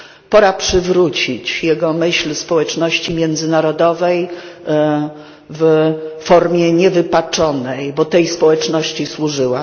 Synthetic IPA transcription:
pɔɾapʂɘvɾut͡ɕit͡ɕjɛɡɔmɘɕlspɔwɛt͡ʂnɔɕt͡ɕimʲjɛnd̪zɘnaɾɔd̪ɔvɛj | vfɔɾmʲjɛɲɛvɘpat͡ʂɔnɛjbɔt̪ɛjspɔwɛt͡ʂnɔɕt͡ɕiswuʐɘwa

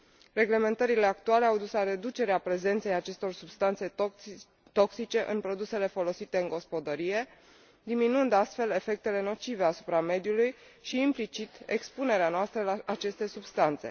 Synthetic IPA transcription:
re̞ɡle̞me̞nt̪əɾile̞ak̚t̪uale̞awd̪uslaɾe̞d̪ut͡ʃe̞ɾeapɾe̞ze̞nt̪se̞jat͡ʃe̞st̪o̞rsubst̪ant̪se̞ | t̪o̞ksit͡ʃe̞ʔɨnpɾo̞d̪use̞le̞fo̞lo̞sit̪e̞ɨŋɡo̞spo̞d̪əɾije̞ | d̪iminɨnd̪ast̪fe̞le̞fe̞k̚t̪e̞le̞no̞t͡ʃive̞asu̥pɾame̞d̪julujʃiːmplit͡ʃit̪e̞kspune̞ɾeanoast̪ɾəlaːt͡ʃe̞st̪e̞subst̪ant̪se̞̰

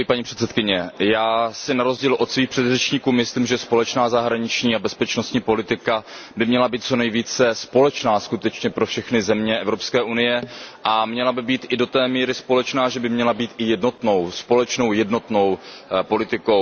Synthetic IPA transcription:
paɲiːpr̥ɛt̪sɛt̪̚kɪɲɛjaːsɪnaɾo̞zɟiːlʔo̞t̪sviːxpr̥ɛd̪rɛt͡ʃɲikuːmɪsliːmʒɛspo̞lɛt͡ʃnaːzaɦɾaɲɪt͡ʃɲiːabɛspɛt͡ʃnost̪ɲiːpo̞lɪt̪ɪkabɪmɲɛlabiːt̪̚t͡so̞nɛjviːt͡sɛspo̞lɛt͡ʃnaːskut̪ɛt͡ʃɲɛpɾo̞fʃɛxnɪzɛmɲɛʔɛvɾo̞pskɛːʔunɪjɛʔamɲɛlabɪbiːt̪ʔɪdo̞t̪ɛːmiːɾɪspo̞lɛt͡ʃnaːʒɛbɪmɲɛlabiːt̪ʔɪjɛdno̞t̪no̞wspo̞lɛt͡ʃno̞wjɛdno̞t̪no̞wpo̞lɪt̪ɪko̞

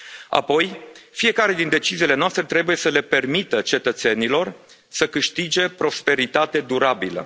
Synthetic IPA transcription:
a̰po̞jfije̞kaɾe̞d̪int̪et͡ʃiziːle̞noast̪ɾe̞t̪ɾe̞buje̞səle̞pe̞rmit̪ət͡ʃe̞t̪ət̪se̞nilo̞r | səkɨʃt̪id͡ʒe̞pɾo̞spe̞ɾit̪at̪e̞d̪uɾabilə̰

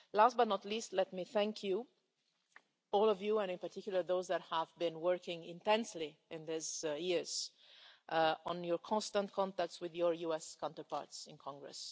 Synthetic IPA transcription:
last̚bʌtnətliːstlɛt̚miθæ̃ŋkʰju | ɔlɔvjuɛ̃nɪ̃npaɾtʰɪkjulˠə˞ðoʊzðæt̚hævbɪ̃nwɜɹkɪ̃ŋɪ̰̃ntɛ̃nsliɪ̃nðɪzjɪɹz̥ | ʔə̃njɔɹkʰɔ̃nstə̃ntkʰɔ̃ntæk̚tswɪðjɔɹjuɛskʰãntə˞pɑ̰ɹtsɪ̃nkʰɔ̃ŋɡɹɛ̰s

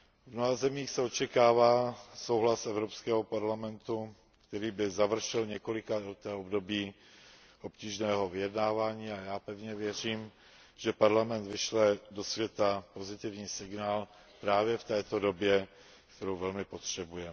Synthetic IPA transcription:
vnoɦazɛmiːxsɛo̞t͡ʃɛkaːvaːso̞wɦlasʔɛvɾopskɛːɦopaɾlamɛnt̪u | kt̪ɛɾiːbɪzavr̩ʃɛlɲɛko̞lɪkadot̪ɛːobdo̞biː | ʔo̞pciːʒnɛːɦo̞vɪjɛdnaːvaːɲiːajaːpɛvɲɛvjɛr̝iːm | ʒ̥ɛpaɾlamɛnd̪vɪʃlɛdo̞svjɛt̪apo̞zɪt̪ɪvɲiːsɪɡnaːl | pɾaːvjɛft̪ɛːt̪odo̞bjɛ | kt̪ɛɾowvɛlmɪpo̞t̪r̝̥ɛbujɛm

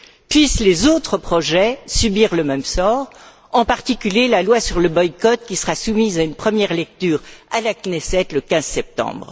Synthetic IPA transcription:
pɥislezot̪χəpχɔʒɛsybiʁləmɛmsɔːʁ | ɑ̃paʁt̪ikʲyljelalwasyʁləbɔjkɔt̪̚kʲisəʁasumizaynpχəmjɛʁlɛk̚t̪yːʁalaknɛsɛt̪ləkʲɛ̃zsɛp̚t̪ɑ̰̃bʁ

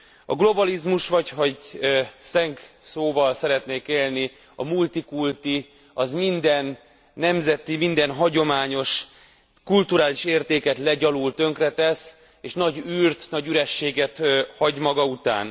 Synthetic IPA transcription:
ɒ̰ɡlo̞bɒlizmuʃʋɒchoɟsɛŋksoːvɒlsɛɾɛt̪neːkeːlni | ɒ̰mult̪ikult̪i | ɒzmind̪ɛnː | ɛmzɛt̪imind̪ɛnɦɒɟo̞maːɲo̞ʃ | kult̪uɾaːliʃeːrt̪eːkɛt̪lɛɟɒlult̪ø̞ŋkrɛt̪ɛs | eːʃnɒɟyːrt̪nɒɟyɾɛʃːeːɡɛt̪hɒɟmɒɡɒut̪a̰ːn

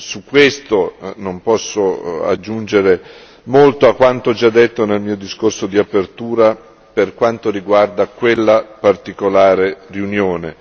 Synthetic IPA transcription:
sukːwest̪onompɔsːoa̰d͡ʒːund͡ʒeɾe | molt̪oakːwant̪oɔd͡ʒad̪ːet̪ːonelmiːod̪iskorsod̪iapert̪uːɾa | perkwant̪oɾiɡward̪akwelːapart̪ikolaːɾeriunjoːne

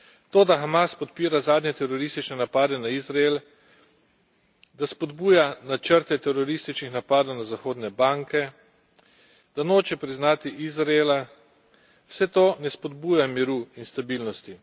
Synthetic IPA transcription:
t̪oːd̪axamaspɔt̪piːɾazaːd̪ɲɛt̪ɛɾɔɾist̪it͡ʃnɛnapaːd̪ɛnaizɾael | d̪aspɔd̪buːjanat͡ʃəɾt̪ɛt̪ɛɾɔɾist̪it͡ʃnixnapaːd̪ɔwnazaxoːd̪nɛbaŋkɛ | d̪̥anoːt͡ʃɛpɾiznaːt̪iʔizɾaeːla | wsɛt̪onɛspɔd̪buːjamiɾuinst̪abiːlnɔst̪i

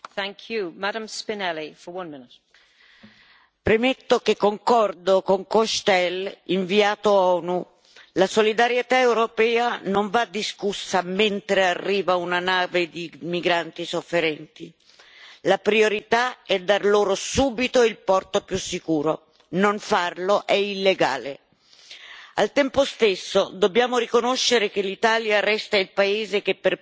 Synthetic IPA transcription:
θæ̃ŋkʰjumadə̃mspɪnɛlifə˞wʌ̃nmɪnɪt | pɾemet̪ːokekːoŋkɔrd̪okoŋkoʃt̪ɛliɱviaːt̪oɔnu | lasolid̪aɾjet̪aewɾopɛːanoɱvad̪ːiskusːament̪ɾearːiːvaunanaːved̪imiɡɾant̪isofːeɾɛnt̪i | lapɾioɾit̪aɛd̪ːarloːɾosuːbit̪oilpɔrt̪opjusːikuːɾo | noɱfarloʔɛilːeɡa̰ːle | a̰lt̪ɛmpost̪esːod̪obːjaːmoɾikonoʃːeɾek̟elːit̪aːljarɛst̪ailpaeːzekepːer

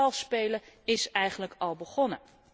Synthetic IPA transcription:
ɑlˠspejləɪsɛjχənləkɑlˠbəχɔnə

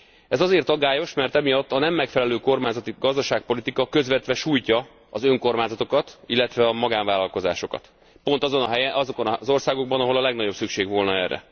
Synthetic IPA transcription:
ɛzɒzeːrt̪ɒɡaːjo̞ʃmɛrt̪ɛmijɒt̪ːɒnɛmːɛkfɛlɛløːko̞rmaːɲzɒt̪iɡɒzd̪ɒʃaːk̚po̞lit̪ikɒkø̞zʋɛt̪ʋɛʃuːjcɒ | ɒzø̞ŋko̞rmaːɲzɒt̪o̞kɒt̪ilːɛt̪ʋɛɒmɒɡaːnvaːlɒlko̞za̰ːʃo̞kɒ̰t̪ | pon̪t̪ɒzonɒɦɛɛɒzokonɒzo̞rsaːɡo̞ɡ̚bɒnɒɦo̞lɒlɛɡnɒɟo̞bsykʃeːɡʋo̞lnɒɛrːɛ̰

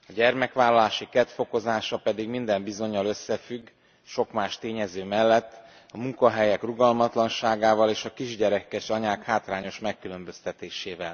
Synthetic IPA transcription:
ɒɟɛrmɛkʋaːlːɒlaːʃikɛt̪fo̞ko̞zaːʃɒpɛd̪iɡmind̪ɛmbizo̞ɲːɒlø̞sːɛfyɡː | ʃo̞kmaːʃt̪eːɲɛzøːmɛlːɛt̪ː | ɒmuŋkɒɦɛjɛkruɡɒlmɒt̪lɒnʃaːɡaːvɒleːʃɒkiʒɟɛɾɛkɛʃɒɲaːkhaːt̪raːɲo̞ʃmɛkːylø̞mbø̞st̪ɛt̪eːʃeːvɛl

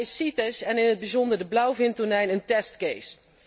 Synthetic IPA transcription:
ɪsitəsɛnɪnəd̚bizɔndəɹdəblɑwvɪntɔnɛjnəntɛstkejs

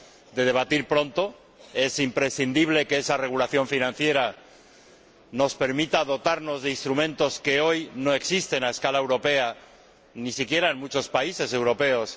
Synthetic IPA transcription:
d̪e̞ð̞e̞β̞at̪iɾpɾo̞nt̪o̞ | e̞simpɾe̞sθind̪iβ̞le̞keesare̞ɣ̞ulaθjo̞ɱfinãnθje̞ɾa | no̞spe̞ɾmit̪að̞o̞t̪aɾno̞zðe̞inst̪ɾumẽ̞nt̪o̞ske̞o̞jno̞eksist̪e̞nae̞skalaewɾo̞pe̞a | nisikje̞ɾaenmut͡ʃo̞spaise̞se̞wɾo̞pe̞os

